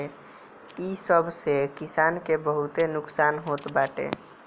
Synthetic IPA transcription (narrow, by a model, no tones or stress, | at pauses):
isəbʱsekɪsaːnkebəɦut̪enʊksaːnɦot̪baːʈḛ